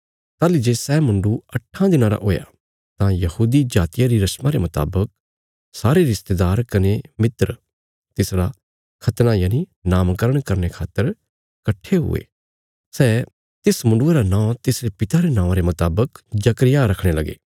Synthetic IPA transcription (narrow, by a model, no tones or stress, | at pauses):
t̪aːlid͡ʒesɛːmʊ̃ɳɖuɐʈʰːãd̪ɪnãɾa̰ʔoːja̰ | t̪ãjɐhuːd̪id͡ʒaːt̪ɪjaɾiɾɐʃmaɾemɐt̪a̰ːbək̚ | saːɾeɾɪst̪ed̪aːɾkɐnemɪt̪ɾ | t̪ɪsɾa | kʰɐt̪najaːninaːmkəɾəɽ̃kɐɾnekʰaːt̪ːəɾ | kɐʈʰːeɦʊ̰ḛː | sɛː | t̪ɪsmʊ̃ɳɖueɾanãːt̪ɪsɾepɪt̪aɾenãːãɾemɐt̪aːbəkd͡ʒɐkɾɪjaɾɐkʰɽ̃elɐɡḛː